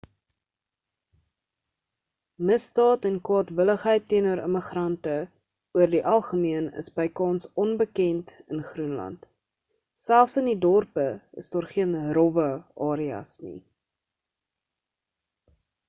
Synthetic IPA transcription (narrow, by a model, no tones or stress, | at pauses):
məstɑːtɛnkwɑːtvələχɦəjtːiənəɾə̰məχrɐntə | uərdiʔɐlˠχəmiənə̰sbɐjkɑːnsɔnbəkɛntənχrunlɐ̰nt | sælˠfsənidɔrpəə̰sdɑːrχiənrɔvəʔɑːɾiɐ̰snḭ